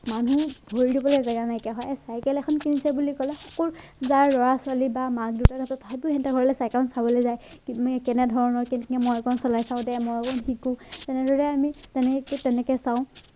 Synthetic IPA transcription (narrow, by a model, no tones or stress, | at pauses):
manubʱoɹidibɔlezɛɡanajkɛɦɔjɛsajkɛlɛkʰɔnkinisɛbulikɔlɛxɔkɔlzaɹlɔɹasʊalibamak̚diʊtaɡʱatɔtɔɦɔtuhɛntaɡʱɔɹɔlɛsajkɛɔnsabɔlojzaj | kintmkɛnɛdʱɔɹɔnɔɹkɛnɛmɔjkɔnsɔlajsãʊ̃dɛmɔjkɔnxikũtɛnɛdʱɔɹɛamitɛnɛkɛtɛnɛkɛsãʊ̃